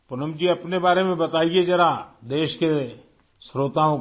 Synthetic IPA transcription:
pʊnəmd͡ʒiɐpnebaːɾemẽbɐt̪aːied͡ʒɐɾad̪eːʃke | sɾoːt̪aɦõ

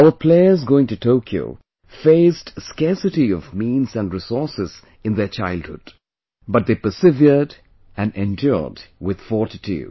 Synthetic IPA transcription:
aəpʰleɪəzɡoʊɪ̃ŋtɨtʰoʊkʰjo̰ʊ | feɪsdskɛɹsɨtiɔvmĩnzæ̃ndɹɪsɔɹsɪz̥ | ɨ̃nðət͡ʃaɪld̚hʊ̰d̥ | bʌt̚ðeːpə˞sɪvjəd | æ̃nɛ̃ndjɔ̰dwɪð̥fɔɹtitʰṵ

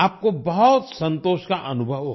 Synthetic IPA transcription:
aːp̚kobɐɦɔt̪sɐ̃nt̪oːʃkaʔɐnʊbʱəʋɦo

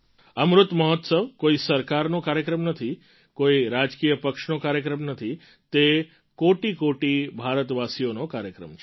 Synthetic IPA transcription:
əmɾʊt̪məɦɔt̪səʋkoisəɾkaɾnokaɾjəkɾəmnət̪ʰi | koiɾad͡ʒkijəpəkʃnokaɾjəkɾəmnət̪ʰi | t̪e | koʈikoʈibʱaɾət̪ʋasijonokaɾjəkɾə̰mt͡ʃʰe

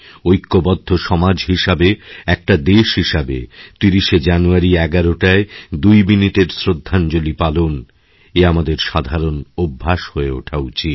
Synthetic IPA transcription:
ojkːobɔd̪ʱːoʃɔmad͡ʑɦiʃabeɛk̚ʈad̪eʃɦiʃabḛt̪iɾiʃed͡ʑanuaɾiɛɡaɾoʈaed̪ujminiʈeɾsɾod̪ʱːand͡ʑolipalon | eamad̪eɾʃad̪ʱaɾonobʱːaʃhoeo̰ʈʰawt͡ɕʰi

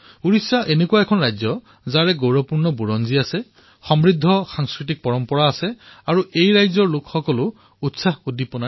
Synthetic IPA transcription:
uɹisaʔenekuwaɛkʰɔnɹajzɔ | zaɹɛɡowɹɔpuɹnɔbuɹɔnziasɛ | xɔmɹidʱːɔxaŋskɹit̬ik̚pɔɹɔmpɔɹaːsɛaɹuʔejɹajzɔɹlʊkxɔkɔlʊ | utsahudipɔna

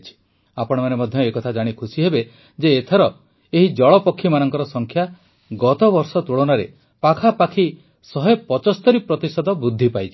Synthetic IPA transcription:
t͡ʃʰi̥ | apɔɽ̃ɔmanemɔd̪ʱjɔekɔt̪ʰad͡ʒaɽ̃ikʰusiɦebe | d͡ʒeːt̪ʰeɾɔ | eɦid͡ʒɔɭɔpɔkʰːimanɔŋkɔɾɔsɔŋkʰja | ɡɔt̪ɔbɔɾsɔt̪uɭɔnaɾḛ | pakʰapakʰi | sɔɦepɔt͡ʃɔst̪ɔɾipɾɔt̪isɔd̪ɔbud̪ʱːipajt͡ʃʰi̥

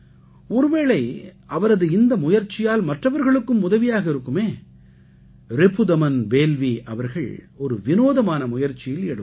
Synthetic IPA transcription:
ɔɾɯʋeːɭɐɪɐʋɐɾɐðɯɪnd̪ɐmʊjɐɾt͡ʃːɪjaːlmɐʈrɐʋɐɾɣɐɭɯkːɯmːʊðɐʋɪjaːɣɐɪɾɯkːɯmeː | ɾɪpɯd̪ɐmɐnbeːlʋiʔɐʋɐɾɣɐ̰ɭ | ɔɾɯʋɪnoːðɐmaːnɐmʊjɐɾt͡ʃɪjɪlɛɽɯ

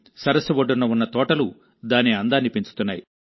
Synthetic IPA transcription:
sɐɾɐsɐʋoɖːunːɐunːɐt̪ɔːʈɐlu | d̪aːniɐnd̪aːnipiɲt͡ʃu̥t̪unːaːji

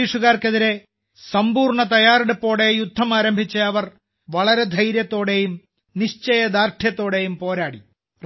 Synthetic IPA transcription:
iːʂuɣaːrkeðiɾe̞ | sɐmbuːrɳɐt̪̬ɐjaːreɽupːo̞ːɽe̞jud̪ʱːɐmaːɾɐmbʱit͡ɕːɐɐʋɐr | ʋɐɭɐɾe̞d̪ʱɐjɾjɐt̪ːo̞ːɽe̞jum | niɕt͡ɕɐjɐd̪aːrʈʰjɐt̪ːo̞ːɽe̞jumpo̞ːɾaːɽi | r

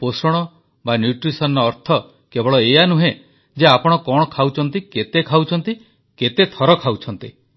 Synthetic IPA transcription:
posɔɽ̃ɔ | banjuʈɾisɔnɔːɾt̪ʰɔ | kebɔɭɔejanuɦe | d͡ʒeapɔɽ̃ɔkɔɽ̃ɔkʰawt͡ʃʰɔnt̪iket̪ekʰawt͡ʃʰɔnt̪i | ket̪et̪ʰɔɾɔkʰawt͡ʃʰɔnt̪i

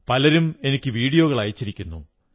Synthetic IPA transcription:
pɐlɐɾume̞nikʲːɨʋiːɽijo̞ːɣɐɭɐjit͡ɕːiɾikʲːunːṵ

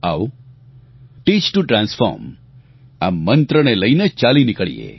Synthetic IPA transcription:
aʋ | ʈiːt͡ʃʈuʈɾãːnsfʰɔ̰ɾm | a̰mənt̪ɾəneləjnet͡ʃaːlinikəɭḭjḛ

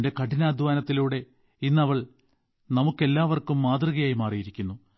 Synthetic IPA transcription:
nde̞kɐʈinaːd̪ʱuʋaːnɐt̪ːiluːɽe̞ | inːɐʋɐɭ | nɐmukːe̞lːaːʋɐrkumːaːd̪riɣɐjaːjimaːrijiɾikʲːunːu

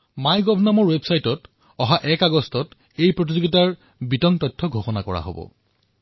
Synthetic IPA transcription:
majɡɔbʱnamɔɹwebsajtɔt | ɔɦaʔɛkaɡɔstɔt | ejpɹot̬izoɡitaɹ | bitɔŋtɔjtʰːɔɡʱoxɔnakɔɹa̰ɦo̰bɔ̰

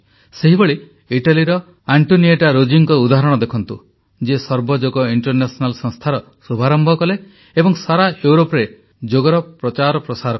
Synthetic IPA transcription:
seɦiboɭi | iʈaliɾɔ | aɳʈonieʈaɾod͡ʒiŋkɔud̪aɦɾɔɽ̃ɔd̪ekʰɔnt̪ṵ | d͡ʒesɔɾbɔd͡ʒoɡɔiɳʈɔɾnesɔnalsɔ̃ŋst̪ʰaɾɔ | subʱaɾɔmbʱɔkɔleː | bɔŋsaɾaewɾopɾe | d͡ʒoɡɔɾɔpɾɔt͡ʃaɾɔpɾɔsaɾɔ

